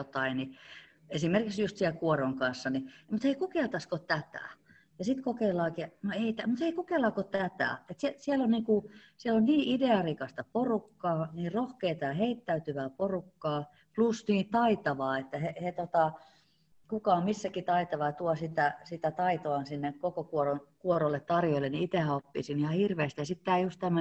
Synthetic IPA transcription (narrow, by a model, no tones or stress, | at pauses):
ot̪ɑini | esimerkiksjust̪sielkuoroŋkɑnsːɑnimut̪heikukeˑlt̪ɑskot̪æt̪æ̰ˑ | jɑsit̪kokeilːˑɑːkiɑnoeit̪æmut̪heikukeˑlːɑːkot̪æt̪æ̰ˑet̪siesiælonniːkusielonniːʔideɑrikɑst̪ɑporukːɑːniːrrohkeit̪ɑjɑheit̪ːæyt̪yʋæːporukːɑː | plusniːt̪ɑit̪ɑʋɑːet̪ːæhehet̪ot̪ɑ | kukɑːmmisːækit̪ɑit̪ɑʋɑɑt̪uɑsit̪æsit̪æt̪ɑit̪oɑnsinːekkokokuoronkuorolːet̪t̪ɑrjoilːeniit̪ehæopːḭsinihɑhirʋeːˑst̪ijɑsit̪t̪æːjust̪t̪æmː